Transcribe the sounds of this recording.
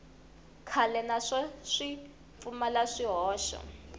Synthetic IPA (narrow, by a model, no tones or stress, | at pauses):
kʰalɛnaʂaʂi | p̪fumalaʂiɦɔːʃɔ̰